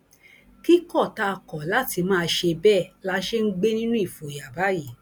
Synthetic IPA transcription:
ki˦kɔ˦˨ta˧kɔ˨la˨˦ti˧mãː˦˧ʃe˧bɛ˦˨la˦ʃe˦ŋ̩˦ɡ͡be˦nĩ˦nũ˦i˦˨fo˨ja˨ba˨˦ji˦˨

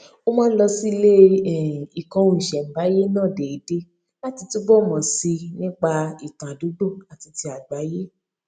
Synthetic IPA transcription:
o˦mɔ̃ː˦lɔ˧si˦˧le˦ɛ˦˨i˨kã˧ũ˧i˨ʃɛ˨m̩˨ba˨˦je˦nãː˦˨de˨i˨˦de˦ | la˦ti˧tu˦bɔ˦˨mɔ̃˨si˧nĩ˦k͡pa˧i˨tã˨a˨du˨˦ɡ͡bo˦˨a˨ti˧ti˧a˨ɡ͡ba˨˦je˦

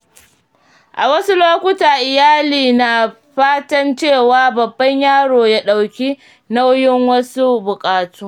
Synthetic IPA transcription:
ʔa˨wɐ˦su˦loː˦kʷʊ˦taː˨ʔɪ˨jaː˦liː˨na˨ | ɸaː˦tɐ˦nt͡ʃeː˦˨waː˦bɐ˨bːɐ˦ɲjaː˦˨ɽoː˨jaː˦ɗa˨wkʲi˦ | na˦wjɪ˦ŋwɐ˦su˦bʊ˨kʼaː˨tuː˦

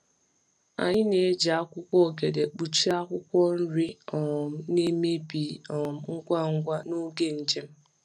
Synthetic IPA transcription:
a̰˨ɲɪ˦ne˨˦d͡ʒa˨a˦kʷʊ˦kʷɔ˦˨ɡe˨de˨k͡pu˨t͡ʃi˦a˦kʷʊ˦kʷɔ˦n̩˦ɾi˦ɔ˨m̩˦ne˦me˦bi˨ɔ˨m̩˦ŋ̩˦ɡʷa˦ŋ̩˦ɡʷa˦nu˦ɡe˦n̩˨d͡ʒe˦m̩˦

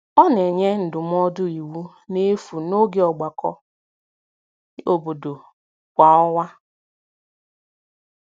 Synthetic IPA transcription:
ɔ˦ne˨ɲe˦n̩˨dʊ˨m˦ɔ˦dʊ˦i˨wu˦ | ne˦fu˨no˦ɡe˦ɔ˨ɡ͡ba˨kɔ̰˦ | o˨bo˨do˨ | kʷa˨ɔ˦wa˦

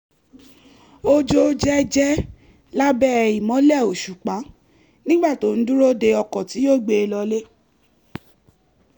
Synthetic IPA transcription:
o˦d͡ʒo˦d͡ʒɛ˦d͡ʒɛ˦ | la˦bɛ˦˨i˨mɔ̃˨˦lɛ˦˨o˨ʃu˨k͡pa˨˦ | nĩ˦ɡ͡ba˦˨to˨˦˨n̩˦du˦ɾo˦de˧ɔ˧kɔ̃˨ti˨˦jo˦˨ɡ͡be˧lɔ˧le˦

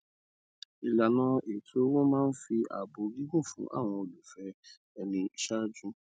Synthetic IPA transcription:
i˨la˨nãː˨˦e˨tʰo˨˦wɔ̃˦mãː˦n̩˦fi˧a̰˨bo˨ɡi˦ɦo˦˨fṵ̃˨˦ʔa̰˦˨w̃ɔ̃˧o˨lu˨fɛ˦ | ɛ˧nĩ˧ʃa˦d͡ʒũ˦

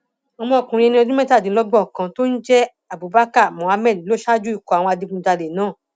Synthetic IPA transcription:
ɔ˧mɔ̃˧ɔ˨kũ˨ɾĩ˧ɛ˧nĩ˦ɔ˧d͡ʒũ˦mɛ̃˦ta˦˨dĩ˨˦lɔ˦ɡ͡bɔ˦˨kã˧to˦n̩˦d͡ʒɛ˦ | a˨bu˨ba˦ka˦˨mɔ̃˨a˧mɛ˦˨dlo˦ʃa˦d͡ʒu˦i˦˨kɔ˧˨a˨w̃ɔ̃˧a˧di˧kũ˧˦da˧le˨nãː˦˨

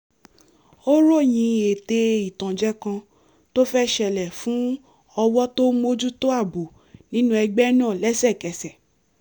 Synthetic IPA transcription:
o˦ɾo˦˨j̃ĩ˧e˨te˧i˨tã˨d͡ʒɛ˦kã˧ | to˦fɛ˦ʃɛ˧˨lɛ˨fũ˨˦ | ɔ˧wɔ˦to˦mo˦d͡ʒu˦to˦a˦˨bu˨ | nĩ˦nũ˦ɛ˧ɡ͡bɛ˦nãː˦˨lɛ˦sɛ˦˨kɛ˨sɛ˨

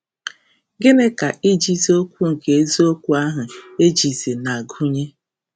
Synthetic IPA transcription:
ɡɪ˦ne˦ka˨ʔi˦d͡ʒi˦zi˦o˦kʷu˦ŋ̩˨ke˨e˦zi˦o˦kʷu˦a˦ɦʊ˨e˦d͡ʒi˨zi˨na˨ɡu˦ɲe˦

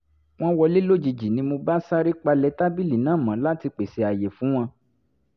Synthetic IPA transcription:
w̃ɔ̃˦wɔ˧li˦lo˦˨d͡ʒi˧d͡ʒi˨nĩ˧˦mo˧ba˦sa˦ɾi˦k͡pa˧lɛ˧˦ta˦bi˦li˨nãː˦˨mã˨˦la˦ti˧k͡pe˨se˨˧a˨je˨fũ˨˦w̃ɔ̃˧

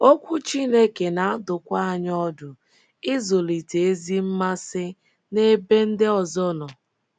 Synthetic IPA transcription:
o˦kʷu˦t͡ʃi˦ne˦ke˨na˨a˦dʊ˨kʷa˦a˨ɲ˦ɔ˦dʊ˨ | ɪ˦zo˨li˨te˨e˦zi˦m̩˦ma˦sɪ˦ | ne˦be˦n̩˦dɪ˦ɔ˨zɔ˦nɔ˨

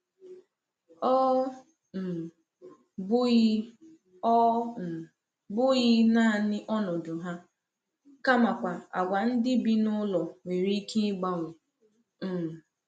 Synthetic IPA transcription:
ɔ˦˨ | bʊ˦ | ɔ˦˨ | bʊ˦ɣɪ˦na˦˨nɪ˦ʔɔ˦nɔ˨dʊ˨ɦa˦ | ka˦ma˨kʷa˨a̰˨ɡʷa˨n̩˦dɪ˦bi˦nʊ˦lɔ˨ŋe˨ɾi˦ke˦ɡ͡ba˦ŋʷʊ˨ | m̩˨

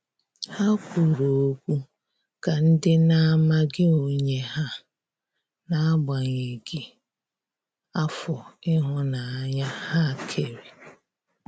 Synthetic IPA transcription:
ha˦kʷu˨ɾo˨o˦kʷu˦ | ka˨n̩˦dɪ˦na˦a˦ma˦ɡɪ˦o˨ɲe˦ɦa˦ | na˦a˦ɡ͡ba˨ɲe˨ɡi˨ | a˦fɔ˨ɪ˦ɦɔ˦na˨a˨ɲa˦ha˦˨kʰe˨ɾe˨

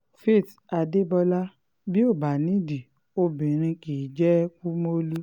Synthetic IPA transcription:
fe˦˨ta˧de˦bɔ˧la˦ | bi˦o˦˨ba˨nĩ˨˦di˨ | o˧bĩ˨ɾ̃ĩ˧ki˨d͡ʒɛ˦ku˦mo˦lu˦

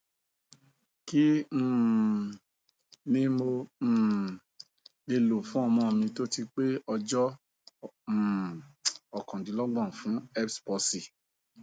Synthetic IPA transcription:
ki˦˨ | nĩ˦mo˧˨ | e˧lo˨fũ˨˦ɔ˧mɔ̃˧˨mĩ˧to˦ti˧k͡pe˦ɔ˧d͡ʒɔ˦˨ | ɔ˨kɔ̃˨dĩ˨˦lɔ˦ɡ͡bɔ̃˦˨fũ˨˦ɛ˦pspɔ˧si˨

